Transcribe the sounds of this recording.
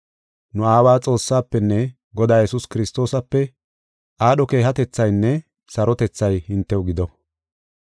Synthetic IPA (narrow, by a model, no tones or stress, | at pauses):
nʊaːwaːt͡sʼo̞ːsːaːpːɛnːɛ | ɡɔd̪aːjɛsʊskɪɾɪst̪o̞ːsɐpːɛ | ʔaːɗɔke̞ːhɐt̪ɛt͡sːɐjnːɛ | sɐɾɔt̪ɛt͡sːɐjhɪnt̪ːɛwʊɡɪd̪ɔ